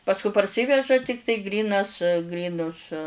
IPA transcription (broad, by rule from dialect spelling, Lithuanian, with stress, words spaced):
pɐsˈkʊ pɐrʲˈsʲiːʋʲɛʒɐ ˈtʲɪktɐɪ ˈɡrʲiːnɐs ˈɡrʲiːnʊs